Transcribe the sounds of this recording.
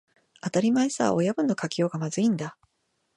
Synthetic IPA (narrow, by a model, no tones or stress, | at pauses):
at̪aɾʲimaisa̰o̞jabɯ̟̃nːo̞kakʲijo̞ːɡamazɨĩnd̪a